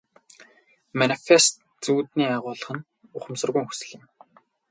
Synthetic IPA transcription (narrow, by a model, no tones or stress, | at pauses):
manifest̪ | t͡suːt̪niːaʁʊːɮə̆χə̆n | ʊχə̆msə̆rɣujːŋxu̥sɘ̆ɮɪ̆m